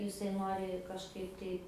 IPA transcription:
jɪˈsɐɪ ˈnoːrʲɪ kɐʃˈkɐɪp tɐɪ

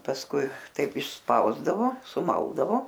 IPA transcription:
pɐsˈkʊɪ ˈtɐɪp ɪʃˈspɐʊzdɐʋoː sʊˈmɐlˠdɐʋoː

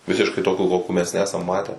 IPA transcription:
ˈʋʲɪsʲɪʃkɐɪ ˈtoːkʲuː ˈkoːkʲuː mʲɛs ˈnʲæːsɐm ˈmɑːtʲæː

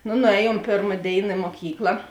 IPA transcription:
noː nʊˈɛːˌjuɔm ˈpʲeːrmɐ ˈdʲeːɪnɐ ɪ moːˈkʲiːklˠɐ

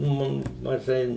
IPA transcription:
ˈmʊm mɐˈʒɐɪ

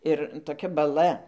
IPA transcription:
ˈɪr toːˈkʲɛ bɐˈlˠɐ

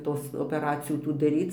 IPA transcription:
ˈtoːs oːpʲɛˈrɑːt͡sʲɪjuː ˈtuː dɐˈrʲiːt͡s

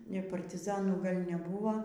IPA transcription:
pɐrʲtʲɪˈzɑːnuː ˈɡɐlʲ nʲɛˈbuːʋoː

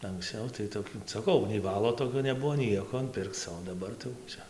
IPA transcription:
ɐŋksˈt͡sɐʊ tɐɪ toːˈkʲuː sɐˈkɐʊ nʲɛɪ ˈʋɑːlˠoː toːˈkʲoː nʲɛˈbʊʋoː ˈnʲiɛkoː ˈpʲɪrkt͡s oː dɐˈbɐr tɐɪ jɛʊ ˈt͡ʃʲɛ

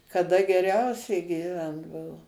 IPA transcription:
kɐˈdɐ ɡʲɛˈrʲɛʊsʲɛɪ ɡʲiːˈʋʲɛnt ˈbʊʋoː

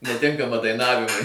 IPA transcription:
nʲɛˈtʲɪŋkɐmɐ dɐɪˈnɑːʋʲɪmʊɪ

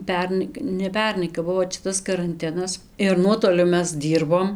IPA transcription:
ˈpʲɛrnɐɪ nʲɛ ˈpʲɛrnɐɪ kɐp ˈbʊʋoː t͡ʃʲɛ ˈtɐs kɐrɐnʲˈtʲɪnɐs ɪr ˈnuɔtoːlʲʊ ˈmʲɛs ˈdʲiːrboːm

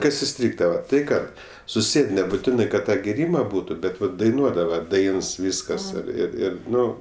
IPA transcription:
ˈkɐs ɪˈsʲtʲrʲiːɡdɐʋɐ tɐɪ ˈkɐt sʊˈsʲeːt nʲɛbʊˈtʲɪnɐɪ kɐt ˈtɑː ɡʲeːˈrʲiːmɐ ˈbuːtʊ ˈbʲɛt ˈʋɐt dɐɪˈnuɔdɐʋɐ ˈdɐɪns ˈʋʲiːskɐs ɪr ɪr ˈɪr ˈnʊ

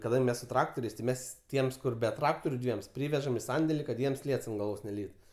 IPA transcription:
kɐˈdɐŋʲkʲ ˈmʲɛs sʊ ˈtrɑːktoːrʲɛɪs tʲɪ ˈmʲɛs ˈtʲiɛms ˈkʊr bʲɛ ˈtrɑːktoːrʲʊ ˈdʲʋʲiɛms ˈpʲrʲiːʋʲɛʒɐm ɪ ˈsɐnʲdʲɛlʲɪ kɐt ˈjiɛms ˈlʲiɛts ɐnt ɡɐlˠˈʋoːs nʲɛˈlʲiːtʊ

